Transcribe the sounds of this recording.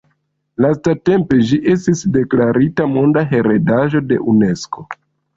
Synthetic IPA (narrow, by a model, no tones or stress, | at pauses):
lastate̞mpe̞d͡ʒiʔe̞s̬tisde̞klaɾitamo̞ndaɦe̞ɾe̞daʒo̞de̞̰ʔune̞sko